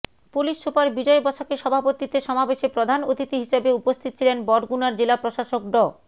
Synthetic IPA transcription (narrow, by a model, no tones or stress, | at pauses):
puliʃʃopaɾbid͡ʑɔebɔt͡ɕʰakeʃɔbʱapot̪it̪eʃɔmabeʃepɾod̪ʱanot̪ʰit̪iɦiʃabeupost̪ʰit̪o̥t͡ɕʰilenbɔɖɡunaɾd͡ʑelapɾoʃaʃok̚ɖɔ